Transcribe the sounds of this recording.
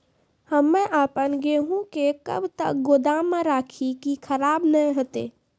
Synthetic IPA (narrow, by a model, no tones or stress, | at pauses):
həmːɛ̃ʔaːpənɡeɦũkekə̰bt̪ə̰k̚ɡoːd̪aːmːẽɾaːkʰikikʰəɾaːbnəĩɦət̪ḛː